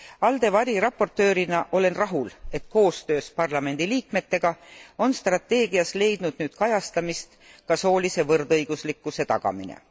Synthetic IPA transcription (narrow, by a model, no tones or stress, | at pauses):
ɑld̪e̞vɑɾiɾɑpːo̞rt̪ːˑø̞ːɾinɑʔo̞le̞nrɑɦule̞t̪ko̞ːst̪ø̞ːspɑrlɑme̞nd̪̥iliːk̚me̞t̪ːe̞ɡ̥ɑo̞nst̪rɑt̪ːe̞ːɡiɑsle̞jd̪̥nud̪̥nyːd̪̥kɑjɑst̪ɑmist̪ | kɑso̞ːlise̞vɤrd̪ɤjɡ̥uslikːˑuse̞t̪ɑɡ̥ɑ̰mḭnḛ